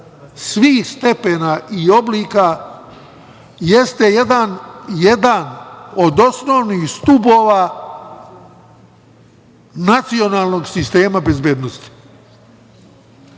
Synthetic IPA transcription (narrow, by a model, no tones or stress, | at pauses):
sʋiːxst̪e̞penaʔio̞bliːka | je̞st̪ejed̪anjed̪ano̞d̪o̞snoʋnixst̪ubo̞ːʋaː | nat̪sio̞naːlˠno̞ɡsist̪e̞ːmabe̞zbjeːd̪nost̪i̥